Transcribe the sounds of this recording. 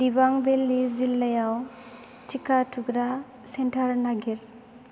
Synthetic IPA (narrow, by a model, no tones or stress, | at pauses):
dibaŋbelːizilːajaw | t͡ʃikatʰuɡɾa | sɛnʈʰaɾnaɡiɾ